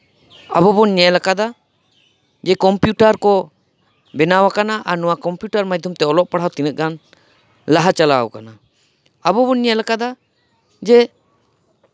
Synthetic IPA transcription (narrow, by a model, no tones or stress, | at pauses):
abɔbɔnɲɛlakad̪a | d͡ʒɛkɔmpjuʈaɾkɔ | bɛnawakanaʔaɾnɔwakɔmpjuʈaɾmad͡ʒd̪ʱumt̪ɛɔlɔʔpaɽ̤awt̪inət̪̚ɡan | laɦat͡ʃala̰wkana | abɔbɔnɲɛlakad̪a | d͡ʒɛ